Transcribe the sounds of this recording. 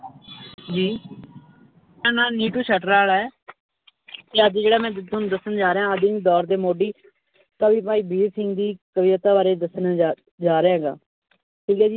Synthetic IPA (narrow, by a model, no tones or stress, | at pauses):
d͡ʒiː | ãːnaːniːʈuːʃʰəːʈɾaːɭaːɛː | t̪eːəd̪d͡ʒeːɽaːmɛ̃ːt̪ʊnːd̪əsənd͡ʒaːɾeːɦãːəd̪ɪːd̪ɔːɾd̪eːmoːɖiː | k̪əbiːpaːiːbiːsɪŋɡd̪iːkəbiːət̪aːbaːɾeːd̪əsən | d͡ʒaːɾeːãːɡa̰ː | ʈʰiːkɛːd͡ʒiː